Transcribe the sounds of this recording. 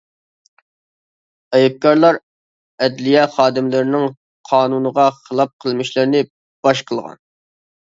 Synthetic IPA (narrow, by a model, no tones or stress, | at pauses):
ɛjɛp̚kɑɾlˠɑɾ | ɛd̪lijɛχɑːd̪ɪmlɪɾɪnɪŋ | qʰɑːnunəʁɑχəlˠɑp̚qʰəlˠmɪʃlɪɾɪnɪ | b̥ɑʃqʰəlˠʁɑ̰n